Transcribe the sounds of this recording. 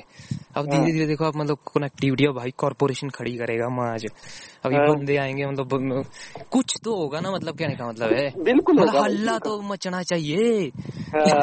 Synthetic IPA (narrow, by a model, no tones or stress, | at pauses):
əbd̪ind̪ed̪iɾed̪eːkʰoaːpmət̪ləb̚konɛːk̚ʈiːʋɪʈiːoːbʱaːikɔːɾpoːɾeːʃənkʰəɽikəɾeːɡaːmãːd͡ʒəbibõnd̪eːaːẽːŋɡeːmət̪ləb | kʊt͡ʃʰt̪õːɦoːɡaːnamət̪ləb̚kɛːñẽːkamət̪ləbɦɛːbɪlkʊlməːəbəlːaːt̪õːmət͡ʃɽaːt͡ʃaːɦieː